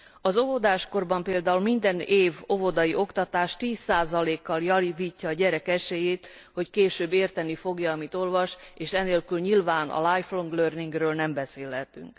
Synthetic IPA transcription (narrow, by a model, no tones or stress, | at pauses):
ɒzo̞vo̞d̪aːʃko̞rbɒmpeːld̪aːulmind̪ɛneːvo̞vo̞d̪ɒjiʔo̞kt̪ɒt̪aːʃt̪iːsːaːzɒleːkːɒljɒviːcːɒːɟɛɾɛkɛʃejeːt̪ | ho̞ckeːʃøːbeːrt̪ɛnifo̞ɡjɒːmit̪o̞lvɒʃeːʃɛneːlkylɲilvaːnʔɒ̰lajflo̞ŋɡløːrniŋɡrøːlnɛmbɛseːlɦɛt̪y̰ŋk